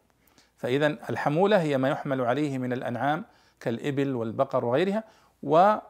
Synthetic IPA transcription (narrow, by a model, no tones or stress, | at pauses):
faʔɪðanalħamuːlaɦɪjːamaːjʊħmalʕalajhɪmɪnalʔa̰nʕaːm | kalʔɪbɪlwɪlbɑqɑɾˤwɪɣajɾɪha | wɪ